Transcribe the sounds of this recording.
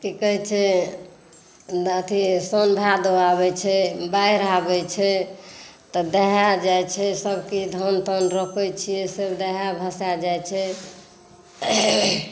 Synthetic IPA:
kikəɦɛt͡ʃʰɛ | ət̪ʰisənbʱad̪əwaβɛt͡ʃʰɛbajɾabɛt͡ʃʰɛ | t̪ɔd̪ɛɦad͡ʒajt͡ʃʰɛsəbkid̪ʱənt̪ənɾəkʰɛt͡ʃʰijɛsebd̪ɛɦabʱəsad͡ʒajt͡ʃʰɛ

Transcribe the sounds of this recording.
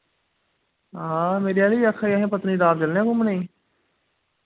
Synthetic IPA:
ɦãːmeːɾiaːliːəkʰːaiːəɦẽːpət̪niːd̪aːbd͡ʒəlnẽːkʊməneː

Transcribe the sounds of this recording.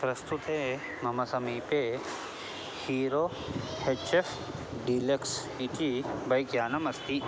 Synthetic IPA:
pɾɐst̪ut̪eː | mɐmɐsɐmiːpe | hiːɾoː | het͡ʃef | ɖileks | ikibɐjkjaːnɐmɐst̪ʰi

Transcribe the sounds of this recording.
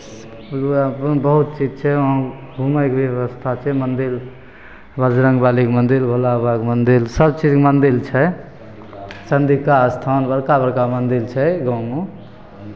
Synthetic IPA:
əpnbəɦut̪̚t͡ʃid͡ʒt͡ʃʰɛɦãɡʱuməjkbjeʋəst̪ʰat͡ʃʰɛmənd̪il | bəd͡ʒɾə̃ŋɡbalikmənd̪ilbʱolabakmənd̪ilsəb̚t͡ʃid͡ʒkmənd̪ilt͡ʃʰɛ | t͡ʃənd̪ikaəst̪ʰanbəɾkabəɾkamənd̪ilt͡ʃʰɛɡanu

